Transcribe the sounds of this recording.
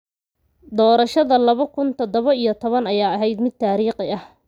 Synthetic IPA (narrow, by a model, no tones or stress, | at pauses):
d̪ɔːɾɐʃɐðɐlɐβɐkʰʊnt̪ʰɐd̪ɔβɐijɞt̪ʰɔβɐnɐjaːɐɦɛjd̪mɪd̪̚t̪ʰaːɾiːqɪɐh